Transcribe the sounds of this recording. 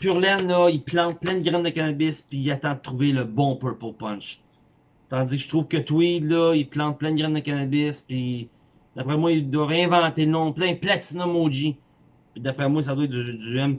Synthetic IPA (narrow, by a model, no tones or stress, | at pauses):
pyʁlɛnlɔiplɑ̃t̪̚plɛ̃nd̪ɡʁɛnd̪əkanabɪspiːat̪ɑ̃d̪ət̪ːʁuveləbɔ̃pə˞puʁpɔ̃nt͡ʃ | t̪ɑ̃d͡zikʃt̪ʁuːvkət̪wid̪lɔiplɑ̃t̪̚plɛ̃d̪əɡʁɛ̃nd̪əkanabɪspi | d̪̥apʁɛmwaild̪waʁeɛ̃vɑ̃t̪enɔ̃plɛ̃d̪̚plat͡sinomod͡ʒi | pid̪apʁɛmwais̬ad̪wɛt̪̚d̪yd͡z̪yɛm